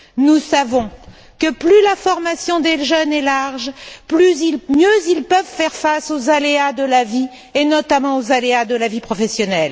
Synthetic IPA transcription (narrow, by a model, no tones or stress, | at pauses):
nusavɔ̃ | kəplylafɔʁmasjɔ̃d̪eʒœnɛlaʁʒplyzilmjøzilpœvfɛʁfasozalead̪əlavi | enɔt̪amɑ̃ozalead̪əlavipχɔfɛsjɔnɛl